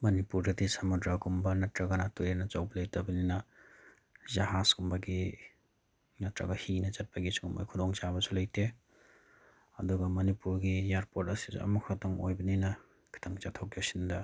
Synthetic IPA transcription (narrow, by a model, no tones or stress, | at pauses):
mɐnipuɾdɐdisɐmudɾaɡumbɐnɐtɾɐɡɐnatujenɐt͡ʃawbɐlɐjtɐbɐninɐ | zɐhasɡumbɐɡi | nɐtɾɐ̰ɡɐhinɐt͡ʃɐt̚pɐɡisɡumbɐ̰jkʰudɔŋt͡ʃabɐsulɐjtʰe | ɐ̰duɡɐmɐnipuɾɡijaɾpotɐsizṵɐ̰mukʰɐtoŋo̰jbɐninɐ | kʰi̥tʰɐŋt͡ʃatʰːokjasindɐ